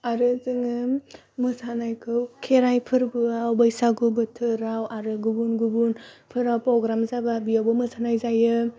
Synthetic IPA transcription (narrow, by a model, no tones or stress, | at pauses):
aɾɯzɯŋɯ | mɯsanajkʰɯwkʰeɾajpʰɯɾbɯawbajsaɡubɯtʰɯɾawaɾɯɡubunɡubunpʰɯɾawpɾɔɡɾamzababijawbɯmɯsanajzajɯ